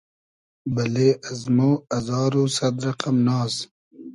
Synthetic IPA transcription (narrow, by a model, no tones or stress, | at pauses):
bɐleːɐzmoːɐzɑːɾosɐd̪ɾɐqɐmnɑːs